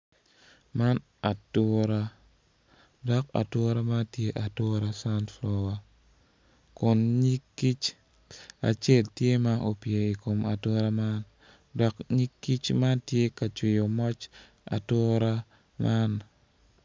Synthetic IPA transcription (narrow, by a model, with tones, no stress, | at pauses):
ma˦n | a˨tʊ˦ɾa˦ | dɔ˦ka̰˨tʊ˦ɾa˦ma˦tje˦ʔa˨tʊ˦ɾa˦sa˦ntflɔ˦wa˨ | kʊ˨nɲi˦kːi˦t͡ʃ | a̰˨t͡ʃe˦˨ltje˦ma˦ʔo˨pje˨i˨ko˨ma˨tɔ˦ɾa˦ma˦n | dɔ˨kɲi˦kːi˦t͡ʃma˦ntje˦ka˨t͡ʃwɪ˨jo˨mɔ˦t͡ʃ | a̰˨tʊ˦ɾa˦ | ma˦n